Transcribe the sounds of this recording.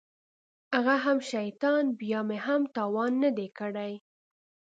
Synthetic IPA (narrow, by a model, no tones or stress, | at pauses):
aɣaɦamʃajt̪ɑnbjɑmeɦamt̪ɑwɑnːad̪ekəɽaj